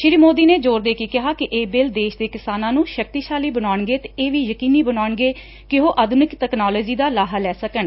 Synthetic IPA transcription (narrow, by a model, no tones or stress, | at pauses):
ʃɪɾiːmoːd̪iːneːd͡ʒoːɾd̪eːkiːkɪɦaːkɪʔeːbɪld̪eːʃd̪eːkɪsaːnãːnũːʃək̚t̪iːʃaːliːbənaːɳɡeːt̪eeːʋiːjəkiːniːbənaːɳɡeː | kɪɦoːʔəd̪ʊnɪkt̪ɛːknaːlɔːd͡ʒiːd̪aːlaːɦalɛːsəkəɳ